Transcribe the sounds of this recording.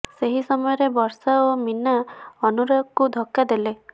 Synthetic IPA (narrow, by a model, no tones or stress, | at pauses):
seɦisɔmɔjɔɾebɔɾsaominːaɔnuɾɔkud̪ʱɔkːad̪ele